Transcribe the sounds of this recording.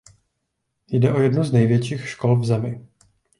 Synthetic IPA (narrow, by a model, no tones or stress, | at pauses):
jdɛʔojɛdnuznɛjvjɛt͡ʃiːxʃkolvzɛmɪ